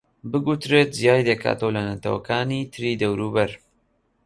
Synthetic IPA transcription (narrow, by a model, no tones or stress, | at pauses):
bɨɡut̪ɾet̪̚zjaːjd̪ɐkʰa̰ːt̪owlɐnɐt̪ʰɐwɐ̰kʰaːniːt̪ʰɨɾiːd̪ɐwɾubɐɾ